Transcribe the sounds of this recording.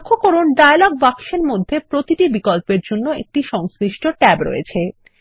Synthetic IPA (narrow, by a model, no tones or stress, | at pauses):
kʰːokɔɾunɖajlɔɡ̚bakʃeɾmod̪ʱːepɾot̪iʈibikɔlpeɾd͡ʑonːoḛk̚ʈiʃɔŋsɾiʃʈoʈɛbɾo̰jḛt͡ɕʰe